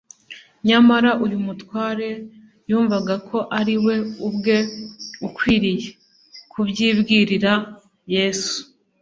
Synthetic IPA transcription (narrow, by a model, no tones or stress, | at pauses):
ɲamaɾaʔujumutwaːɾe̞ | juːɱvaɡakʰo̞ʔaɾiwe̞ubɡe̞ukwiːɾije̞ | kʰubɟiːbɡiːɾiɾa | je̞ːsu̥